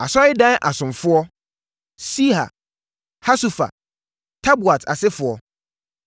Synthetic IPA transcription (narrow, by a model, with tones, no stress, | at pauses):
a˨sɔ˦ɪ˦dã˦ʔa˨sʊ̃˨mfʊ˦ɔ˦ | si˦ha̰˨ | ha˦su˨fa̰˨ | tʰa˦bu˨a˨tʰa̰˨sɪ˦fʊ˨ɔ˦